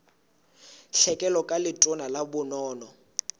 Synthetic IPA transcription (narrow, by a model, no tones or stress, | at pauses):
ɬɛkʼɛlɔkʼalɪtʼɔnalabʊnɔːnɔ